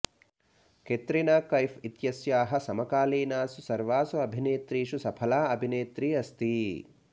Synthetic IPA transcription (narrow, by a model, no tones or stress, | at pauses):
ket̪ɾinaːkɐjfit̪jɐsjaːɦɐ̆sɐmɐkaːliːnaːsusɐɾʋaːsuɐbʱineːt̪ɾiːʃusɐpʰɐlaːɐbʱineːt̪ɾiːɐst̪i